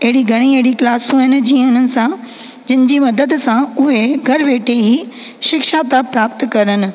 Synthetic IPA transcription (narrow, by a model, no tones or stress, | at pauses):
ɐɦɪɽiɡʱɐɽ̃ieɦɪɽiklaːsũɦɪn̆d͡ʑiːəʊnənɪ̆sã | d͡ʑɪnɪ̆d͡ʑiːmɐd̪əd̪sãʊɦeɡʱɐɾʋeːʈʰeɦiː | ʃɪkʃaːt̪apɾaːp̚t̪kɐɾənɪ̆